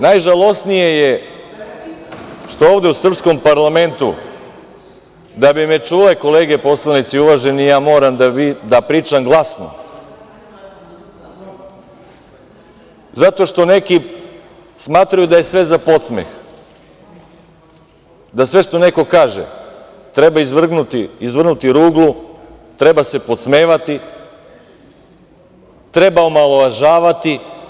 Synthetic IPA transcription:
najʒalˠo̞snijeje | ʃt̪o̞oːʋd̪eusr̩psko̞mpaɾlˠame̞nt̪ṵ | d̪abimet͡ʃuleko̞leːɡe̞po̞slˠanit̪siuʋaʒenijaːmo̞ːɾamd̪aid̪apɾiːt͡ʃamɡlˠasno̰ | zat̪o̞ʃt̪o̞ne̞ki | smaːt̪ɾajud̪aje̞sʋe̞zapo̞t̪smḛx | d̪asʋe̞ʃt̪o̞ne̞ko̞kaːʒḛ | t̪ɾe̞baizʋr̩ɡnut̪iizʋr̩nut̪iɾuːɡlˠu | t̪ɾe̞base̞po̞t̪sme̞ːʋat̪i | t̪ɾe̞baomalˠoʋaʒaːʋat̪i

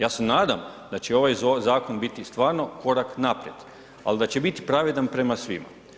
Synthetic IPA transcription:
jaːse̞naːd̪amd̪at͡ɕeo̞ʋajzaːko̞nbit̪ist̪ʋaːɾno̞ko̞ɾaknapɾjed̪ | a̰lid̪at͡ɕe̞bit̪i̥pɾaʋe̞d̪anpɾe̞masʋḭma̰

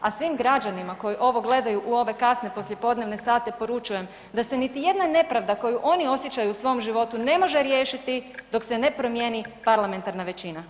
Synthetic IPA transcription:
asʋimɡɾad͡ʑanimako̞jiʔo̞ʋo̞ɡle̞d̪ajuʔuo̞ʋe̞kasne̞po̞slje̞po̞d̪ne̞ʋne̞saːt̪e̞po̞ɾut͡ʃuje̞m | d̪ase̞nit̪ije̞d̪nane̞pɾaʋd̪ako̞juʔo̞nio̞sje̞t͡ɕajuːsʋo̞mʒiʋo̞t̪une̞mo̞ʒe̞ɾje̞ːʃit̪id̪o̞kse̞ne̞pɾo̞mjenipaɾlame̞nt̪aɾnaʋe̞t͡ɕina

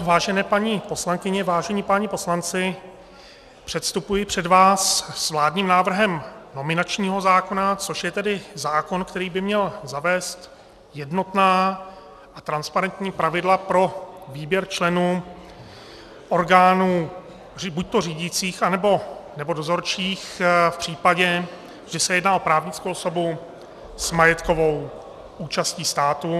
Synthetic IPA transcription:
vaːʒɛnɛːpaɲipo̞slaŋkɪɲɛvaːʒɛɲipaɲɪpo̞slant͡sɪ | pr̝̥ɛt̪st̪upujɪpr̝̥ɛdvaːsːvlaːdɲiːmnaːvr̩ɦɛmno̞mɪnat͡ʃɲiːɦo̞zaːko̞nat͡so̞ʃjɛt̪ɛdɪzaːko̞nkt̪ɛɾiːbɪmɲɛlzavɛːst̪ | jɛdno̞t̪naː | ʔat̪ɾanspaɾɛnt̪ɲiːpɾavɪdlapɾo̞viːbjɛɾt͡ʃlɛnuː | ʔo̞ɾɡaːnuː | rbuc̚t̪o̞r̝iːɟɪt͡siːxʔanɛbo̞nɛbo̞do̞zo̞ɾt͡ʃiːxfpr̥iːpaɟɛ | ʒɛsɛjɛdnaːʔo̞pɾaːvɲɪt͡skowʔso̞bu | z̥majɛt̪ko̞vo̞w | ʔuːt͡ʃasciːst̪aːt̪u

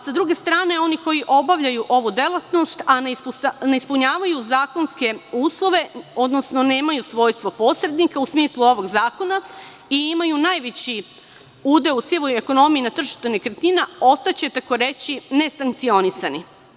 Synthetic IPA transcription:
sad̪ɾuɡe̞st̪ɾaːne̞o̞niko̞jiʔo̞baʋʎajuʔo̞ʋud̪e̞lˠat̪no̞st̪aneispuneispuɲaːʋajuzaːko̞nske̞uːslˠo̞ʋe̞o̞d̪no̞sno̞ne̞ːmajusʋo̞ːjst̪ʋopo̞sɾe̞d̪nikausmiːslˠuo̞ʋo̞ɡzaːko̞na | iimajunaːjʋet͡ɕi | uːd̪eusjiʋojeko̞no̞mijinat̪r̩ʒi̥ʃt̪unekɾet̪inao̞st̪at͡ɕe̞t̪akoɾe̞t͡ɕine̞saŋk̚t̪sio̞nisani

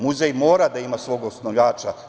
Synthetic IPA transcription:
muzejmo̞ːɾad̪aimasʋo̞ːɡosnojʲaːt͡ʃa

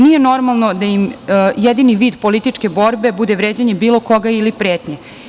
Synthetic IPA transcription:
nije̞no̞ɾmalˠno̞d̪ajimjɛd̪iniʋiːd̪polit̪it͡ʂkebo̞ɾbe̞bud̪eʋɾeːd͡ʑeɲebiːlˠo̞koɡailipɾeːt̪ɲe

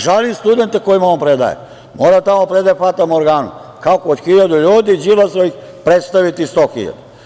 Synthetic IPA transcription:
ʒalimst̪ud̪e̞nt̪ekojimonpɾed̪a̰jḛ | moːɾat̪amopɾed̪ajepat̪amoɾɡaːnṵ | kakood̪xiʎad̪uʎuːd̪id͡ʑilasoix | pɾet̪st̪aʋit̪ist̪oːxiʎa̰d̪u

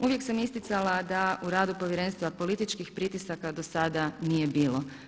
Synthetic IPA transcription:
uʋje̞ksamist̪it̪salad̪auɾaːd̪upo̞ʋjeɾe̞nst̪ʋapo̞lit̪it͡ʃkixpɾit̪isakad̪o̞sad̪anije̞biːlˠo̞

